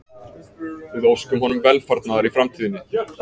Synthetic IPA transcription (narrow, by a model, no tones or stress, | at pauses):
vɪðowskʏmɦɔnʏmvɛlfaɾt̪naðaɾifɾamt̪ʰiːðɪnːɪ